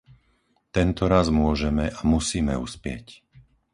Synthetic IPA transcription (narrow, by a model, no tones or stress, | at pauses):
t̪ɛnt̪ɔɾazmʊɔʒɛmɛʔamusiːmɛuspɪɛ̰c